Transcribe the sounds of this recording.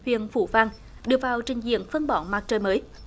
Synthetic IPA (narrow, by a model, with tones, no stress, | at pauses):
hwḭ˧˨ənfṵ˧˩vaː˧ŋ | ɗɨ˨˩ək̚vaː˨˩wt͡ɕï˨˩ŋ̟zḭ˧˨ənfə˧nɓɔ˧˩maː˨˩t̚t͡ɕəː˨˩jməː˨˦j